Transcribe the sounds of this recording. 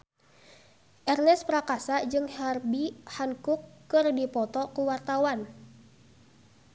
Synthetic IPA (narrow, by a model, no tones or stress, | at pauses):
ʔɛrnɛspɾakasad͡ʒɨŋharbihaŋkukːɨrdipɔt̪ɔkuwart̪awan